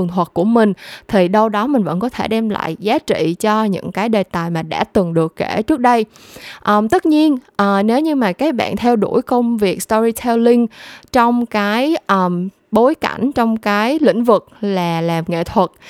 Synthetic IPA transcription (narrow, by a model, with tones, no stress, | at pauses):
əŋt̪wə˨˩t̚ku˧˩əmï˨˩ŋ̟t̪ʰi˨˩ɗə˧wɗɔ˨˦mï˨˩ŋ̟və̰˧˥nkɔ˨˦t̪ʰe˧˩ɗɛ˧mla̰ː˧˨jzaː˨˦t͡ɕḭ˧˨t͡ɕɔ˧ɲɨ̰˧˥ŋkaː˨˦jɗe˨˩t̪aː˨˩jmaː˨˩ɗa̰ː˧˩t̪ɨ˨˩ŋɗɨ˨˩əkːe˧˩t͡ɕɨ˦˥ək̚ɗə˧j | ʔəː˨˩mt̪ə˦˥t̚ɲi˧ənʔəː˨˩ne˨˦wɲɨ˧maː˨˩kaː˨˦˥jɓa̰ː˧˨nt̪ʰɛ˧wɗu˧˩əjkə˧wŋ͡mvi˨˩ək̚st̪ɔ˧ɹi˧t̪ʰɛ˧wlï˧ŋt͡ɕɔ˧wŋ͡mkaː˨˦jʔəː˨˩m | ɓo˨˦jka̰˧˩jŋ̟t͡ɕɔ˧wŋ͡mkaː˨˦jlḭ̈˧˥˨ŋ̟vɨ˨˩k̚laː˨˩laː˨˩mŋḛ˧˨t̪ʰwə˨˩t̚